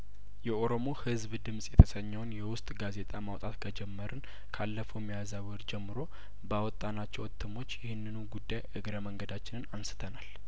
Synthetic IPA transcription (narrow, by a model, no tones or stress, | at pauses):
jɛʔo̞ɾo̞mo̞hɨzbd̪ɨmsʼjɛt̪ʰəsəɲːɛwnjɛwʊst̪ʼɡaze̞t̪ʼamawt̪ʼat̪ɡad͡ʒɛmːəɾɨn | kʰalːəfowmːijazawɔɾd͡ʒɛmːɨɾo̞ | bawɔt̪ʼːanat͡ʃːɛwət̪ʰːɨmo̞t͡ʃːjɪhɪnːɨnuɡud̪ːajʔɨɡɾəməŋɡəd̪at͡ʃːɪnɨnansɨ̥t̪ʰənal